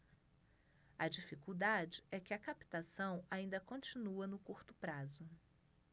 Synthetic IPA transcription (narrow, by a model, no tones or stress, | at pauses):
ɐd͡ʒifikuwd̪ad͡ʒɪɛkɪɐkapi̥t̪asɐ̃w̃aĩnd̪ɐkõt͡ʃinuɐnʊkuɾt̪ʊpɾazʊ